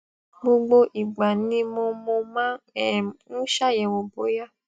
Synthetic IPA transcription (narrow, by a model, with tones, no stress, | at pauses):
ho˦ɡ͡bo˦ʔi˨ɡ͡ba˨ni˦mɔ˧mɔ˧mã˦ɛ˨nu˦ʃa˦jɛ˨wo˨bo˨ja˦